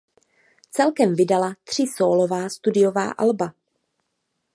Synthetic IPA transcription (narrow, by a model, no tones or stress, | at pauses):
t͡sɛlkɛmvɪdalat̪r̝̥ɪsoːlo̞vaːst̪udɪjo̞va̰ːʔa̰lba